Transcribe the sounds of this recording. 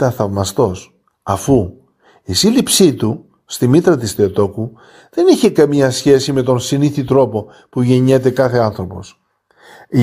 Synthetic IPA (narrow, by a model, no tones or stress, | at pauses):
t̪ɐθɐvmɐst̪o̞s | ɐfu | isilipsit̪u | st̪imit̪ɾɐt̪ist̪eot̪o̞ku | ðe̞niçekɐmɲɐsçe̞sime̞t̪o̞nsiniθit̪ɾo̞po̞ | puʝe̞ɲet̪e̞kɐθe̞ɐnθɾo̞po̞̰s